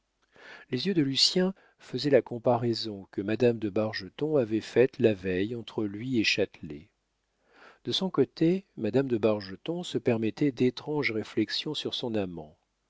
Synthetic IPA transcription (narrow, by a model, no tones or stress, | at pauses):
lezjød̪əlysjɛ̃ | fəzɛlakɔ̃paʁɛzɔ̃kəmad̪amd̪əbaʁʒət̪ɔ̃avɛfɛt̪lavɛjɑ̃t̪χəlɥieʃat̪lḛ | d̪̥əsɔ̃kot̪emad̪amd̪əbaʁʒət̪ɔ̃səpɛʁmɛt̪ɛd̪et̪χɑ̃ʒʁeflɛksjɔ̃syʁsɔ̃namɑ̰̃